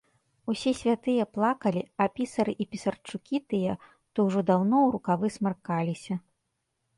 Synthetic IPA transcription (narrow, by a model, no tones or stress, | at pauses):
usʲɛsʲvʲat̪ɨjɐplˠakɐlʲiɐpʲisɐɾɨʔipʲisɐrt͡ʂukʲit̪ɨjɐ | t̪ɔwʐɔd̪awnɔwɾukavɨsmarkalʲisʲɐ